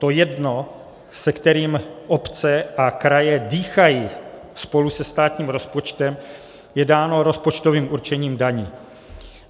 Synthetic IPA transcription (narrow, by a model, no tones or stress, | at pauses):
t̪ojɛdno̞ | sɛkt̪ɛɾiːmʔopt͡sɛʔakɾajɛdiːxaji | spo̞lusɛst̪aːt̪ɲiːmɾo̞spo̞t͡ʃt̪ɛm | jɛdaːno̞ɾo̞spo̞t͡ʃt̪oviːmuɾt͡ʃɛɲiːmdaɲiː